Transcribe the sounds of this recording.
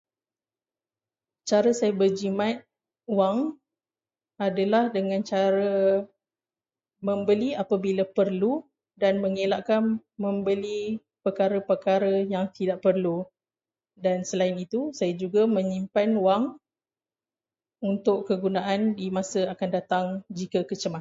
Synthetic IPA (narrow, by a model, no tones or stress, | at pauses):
t͡ʃaɾəsajabərd͡ʒimat̪̚ | waŋ | adalahdəŋãnt͡ʃaɾə | mə̃mbəliapabilapərlu | danməŋelaʔkanmə̃mbəli | pəkaɾəpəkaɾəjaŋt̪idaʔpərlu | dansəlainit̪usajad͡ʒuɡamə̃ɲimpanwaŋ | unt̪ʊʔkəɡunaʔandimãsəakandat̪aŋd͡ʒikəkət͡ʃəma